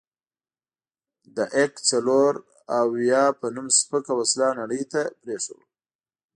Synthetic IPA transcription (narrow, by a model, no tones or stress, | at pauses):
d̪əʔekt͡saloɾ | awjɑpənumspəkawaslɑnaɽəjt̪apɾeʂə̰w